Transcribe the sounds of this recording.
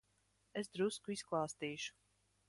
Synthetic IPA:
es̬d̪ɾuskuisklˠaːst̪iːʃu̥

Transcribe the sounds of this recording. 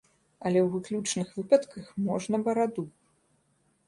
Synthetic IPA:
ɐlʲɛwvɨklʲut͡ʂnɨxvɨpɐt̪kɐxmɔʐnɐbɐɾad̪u

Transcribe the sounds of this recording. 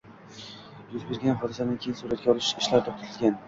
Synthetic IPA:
jʊzbe̞ɾɡʲanχɒd̪ɪsad̪ankʲʰejɪnsuɾat̪̚ɡʲaɒlˠɪʃɪʃlaɾt̪ʰɒp̚t̪ɪɪlɡʲan

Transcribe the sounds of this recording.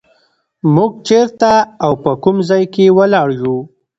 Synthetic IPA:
muɡ̚t͡ʃeɾt̪aːwpəkumzɑjkewəlɑɽʒu

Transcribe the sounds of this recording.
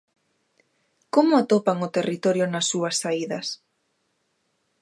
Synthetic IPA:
komʊat̪opaŋot̪erit̪oɾjonasːuasːaiðɐs

